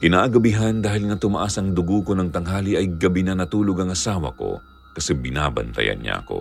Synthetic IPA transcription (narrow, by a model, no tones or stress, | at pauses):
kɪnaːʔɐɡɐbɪɦaɐnd̪aːhɪlŋɐt̪ʊmɐʔasɐŋd̪ʊɡukonɐŋt̪ɐŋɦaːliʔɐjɡɐbinɐnɐt̪uːloɡɐŋɐsaːwɐ̰ko̞̰ | kɐsɛbɪna̰ːbɐ̰nt̪ɐ̰jɐ̰nɲa̰ʔɐ̰ko̞̰